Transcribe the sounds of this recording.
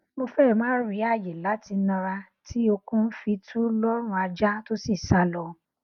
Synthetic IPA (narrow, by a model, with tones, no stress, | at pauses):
mo˧fɛ˦˨mãː˦ɾi˨˦a˦˨je˨la˨˦ti˧nã˧ɾa˧ | tʰi˦o˧kũ˦n̩˦fi˧˦tʰũ˦lɔ˦ɾ̃ũ˧a˧d͡ʒa˦to˦si˦˨sa˨˦lɔ˧˨